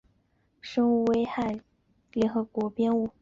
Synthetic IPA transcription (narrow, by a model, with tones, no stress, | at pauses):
ʂɤ˥ŋu˥˩we˥ɪxa˥˩ɪ | ljɛ˧˥nxɤ˧˥kwɔ˧˥pjɛ˥nu˥˩